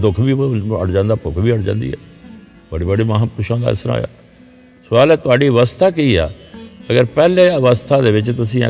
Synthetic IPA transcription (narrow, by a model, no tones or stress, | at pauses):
d̪ʊkʰbiːə̰ʈd͡ʒãːnd̪aːpʊkʰbiːəʈd͡ʒã̰ːnd̪ḭːɛ̰ːt̪əɽiːbəɖiːməɦãːpʊʃãːd̪a̰ɪ̰səɾa̰ːja̰ː | sʊʋaːlɛːt̪ʊaːɖiːʋəst̪ʰaːkiiːa̰ːəɡəɾpɛːlẽːəʋəst̪ʰaːd̪eːʋɪt͡ʃt̪ʊsḭ̃ː